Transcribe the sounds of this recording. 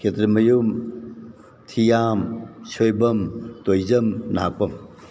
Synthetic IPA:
kʰetɾimɐjum | tʰijamsʰojbɐmtojzɐmna̰k̚pɐm

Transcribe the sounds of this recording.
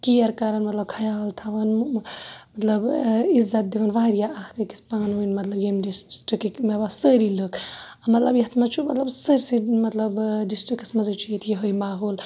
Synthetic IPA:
kijɐɾkɐɾɐnmɐt̪lɐb̚kʰɐjaːlt̪ʰɐʋɐn | mɐt̪lɐbizːɐt̪̚d̪iʋɐnʋaːɾijaʔɐhkɐki̥spãːnuinmɐt̪lɐbjemɖissʈɾikikmebasəːɾilɨkɐmɐt̪lɐbjɐɦt̪ʰmɐt͡ʃʰumɐt̪lɐbsəɾsimɐt̪lɐbɖisʈɾiksmɐzɨt͡ʃʰujit̪ʰjeɦojmaːɦoːl

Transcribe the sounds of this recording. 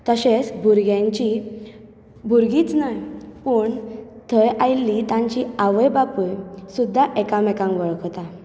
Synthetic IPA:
t̪əɕet͡sbʱuɾɡjãɲt͡ɕi | bʱuɾɡiːt͡snajpəɳt̪ʰəjajlːit̪ãɲt͡ɕiaʋəjbapujsud̪ʱːaʔɛkamɛkãŋkʋəɭkt̪a

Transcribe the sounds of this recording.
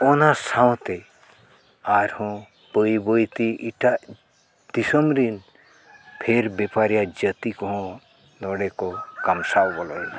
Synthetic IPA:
ɔnasãw̃t̪e | aɾhɔ̃ | pəibojt̪iʔiʈa | d̪̥isɔmɾin | pʰeɾbepaɾijad͡ʒət̪ikɔɦɔ̃ | nɔɽekɔkɐmsawbɔlɔin

